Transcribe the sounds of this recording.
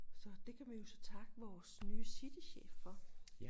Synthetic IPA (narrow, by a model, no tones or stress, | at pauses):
sɒ̽d̥e̝kʰæʋijo̝sɒ̽t͡sʰɑ̈ɡ̥əʋɒːsnyːəsid̥iɕḛːffɒ̽